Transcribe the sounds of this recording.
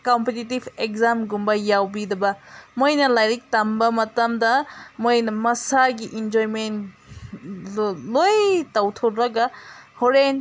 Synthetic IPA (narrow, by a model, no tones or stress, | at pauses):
kompetitibʱek̚zamɡumbɐjawbidɐbɐmojnɐlajɾik̚tɐmbɐmɐtɐmdɐmojnɐmɐsaɡiʔind͡ʒojmen | lojtɐwtʰoɾɾɐɡɐhoɾen